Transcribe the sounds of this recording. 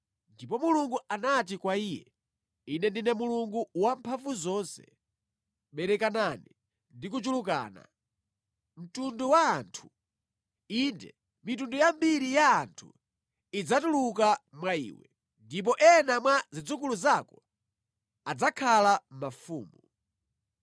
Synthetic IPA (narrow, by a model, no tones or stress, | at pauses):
ndipɔmuluŋɡuanat̬ikwaijɛ̰ | inɛndinɛmuluŋɡuwampʰafuzɔnsɛ̰ | ɓɛɾɛkanani | ndik̬ut͡ʃuluk̬a̰ːna̰ | m̩tunduwaːntʰu̥ | indɛ | mitundujambiɾijaːntʰu | id͡zatulukamwaḭːwɛ̰ | ndip̬ɔʔɛnamwazid͡zukuluzakɔ | ad͡zakʰalam̩mafṵːmu